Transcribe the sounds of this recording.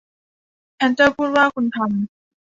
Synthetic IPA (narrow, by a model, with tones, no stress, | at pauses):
t͡ɕʰɛ˧˥nt͡ɕa˥˩pʰuː˥˩t̪̚waː˥˩kʰu˧nt̪ʰa˧m